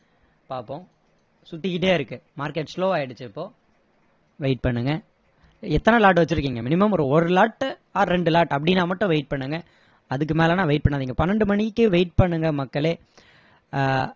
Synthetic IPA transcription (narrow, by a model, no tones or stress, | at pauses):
paːɾpõː | sʊt̪ːɪkɪʈ̬ːeːɪɾɯkːɯmaːɾkeʈsloːaːjɪɽɯt͡ʃːɯɪpːoː | ʋeɪʈ̚pɐɳːɯŋɡɐ | ɛt̪ːɐnɐlaːʈ̬ːɯʋɐt͡ʃːɯɾɯk̬ːiːŋɡɐmɪnɪmɐmɾɔɾɯlaːʈː | aːɾɛɳɖɯlaːʈɐp̬ːɐɽɪnːaːmɐʈːʊ̃ʋeɪʈ̚pɐɳːɯŋɡɐ | ɐðɯkːɯmeːlɐnãːʋeɪʈ̚pɐɳːaːðiːŋɡɐpɐnːɐɳɖɯmɐɳɪkːɯʋeɪʈ̚pɐɳːɯŋɡɐmɐkːɐleː